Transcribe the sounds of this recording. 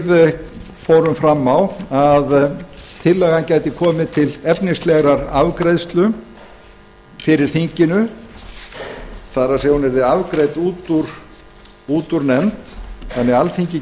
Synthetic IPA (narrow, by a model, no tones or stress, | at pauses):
ð | fowɾʏmfɾamːawaðt̪ʰɪlːɛɣancaːjt̪ɪkʰɔːmɪt̪ʰɪlɛpnɪslɛɣɾaɾavkɾejðst̪lʏ | fɪɾɪɾ̥θiɲcɪnʏ | θarasɛɣunɛɾðɪavkɾejt̪uːt̪uɾ̥ | uːt̪uɾnɛmt̪θanːɛɣalt̪ʰiɲcɪ